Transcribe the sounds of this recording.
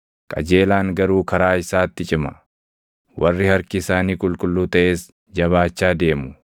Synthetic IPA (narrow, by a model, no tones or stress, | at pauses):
kʼɐ̰d͡ʒe̞ːlaːŋɡɐɾuːkɐɾaːɪsaːt̪ːɪt͡ʃʼɪmɐ | wʔɐrːɪhɐɾkɪːsaːniːkʼʊlkʼʊlːuːt̪ɐʔe̞ːs | d͡ʒɐβaːt͡ʃːaːd̪e̞ːmʊ